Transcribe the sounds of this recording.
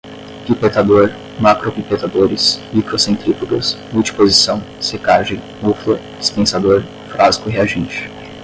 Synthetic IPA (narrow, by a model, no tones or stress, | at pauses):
pipet̪ad̪oɾ | makɾopipet̪ad̪oɾɪsmikɾosẽnt̪ɾikuɡɐsmuwt͡ʃi̥pozisɐ̃w̃ | sekaʒẽj̃ | muflɐd͡ʒispẽsad̪oɾ | fɾazi̥kʊɦeaʒẽnt͡ʃɪ̥